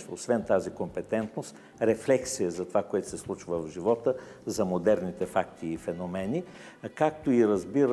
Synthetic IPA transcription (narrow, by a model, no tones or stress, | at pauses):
osvɛnt̪azikompɛt̪ɛnt̪nost̪ | ɾɛflɛksijəzɐt̪ovakoɛt̪o̥sɛslˠut͡ʃvəvʒivɔt̪ə | zɐmod̪ɛɾnit̪ɛfakt̪iːfɛnomɛni | kak̚t̪oiɾɐzbiɾ